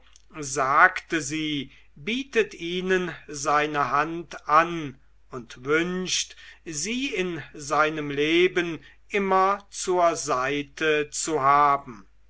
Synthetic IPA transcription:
zaːktəziː | biːtətiːnənzaɪnəɦantʔan | ʊntvʏnʃtziːɪnzaɪnəmleːbən | ʔɪmɐt͡suːɐzaɪtʰət͡suɦaːbm̩

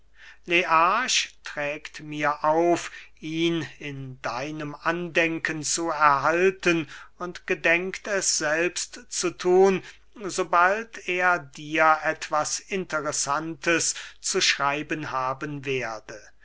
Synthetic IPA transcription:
leʔaʃtʁ̥ɛːktmiːɐʔaʊfʔiːnɪndaɪnəmʔandɛŋkənt͡suɛɐɦaltənʊntɡ̥ədɛŋktɛsz̥ɛlpstt͡sutʰuːn | zobaltʰeːɐdiːɐʔɛtv̥asɪntəʁɛsantʰəst͡suʃʁ̥aɪbənhaːbənveːɐdə

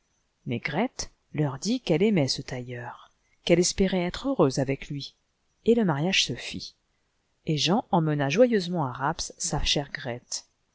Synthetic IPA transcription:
mɛɡʁɛt̪ | lœʁd̪ikɛlɛmɛsət̪ajœʁ | kɛlɛspɛʁɛɛt̪χøʁøzavɛklɥi | eləmaʁjaʒ̥səfḭ | eʒɑ̃ɑ̃mənaʒwajøzmɑ̃aʁapsːaʃɛʁɡʁɛt̪

